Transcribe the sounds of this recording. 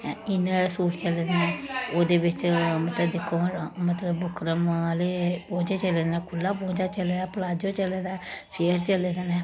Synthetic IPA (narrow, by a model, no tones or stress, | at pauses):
ɪnːeesuːʈt͡ʃəleːd̪nɛːoːd̪eːbɪt͡ʃmət̪ləbd̪ɪkʰːõːmət̪ləbːʊkʰɾəmlepõːt͡ʃeːt͡ʃəlenɛːkʰʊlːaːp̬õːt͡ʃaːt͡ʃəleːɾaːpəlaːd͡ʒ̪jõːt͡ʃəleːɾaːʃeːɾt͡ʃəleːd̪enɛː